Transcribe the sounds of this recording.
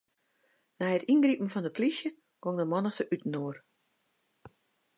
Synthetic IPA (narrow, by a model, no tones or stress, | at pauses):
nɛjətinɡripn̩fɔndəpʰlisjə | ɡ̥oŋdəmɔnəsəʔytn̩oːər